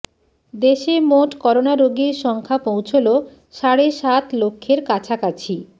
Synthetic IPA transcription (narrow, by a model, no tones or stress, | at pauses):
d̪eʃemoʈkɔɾonaɾoɡiɾʃɔŋkʰapowt͡ɕʰolo | ʃaɽeʃat̪lokʰːeɾkat͡ɕʰakat͡ɕʰi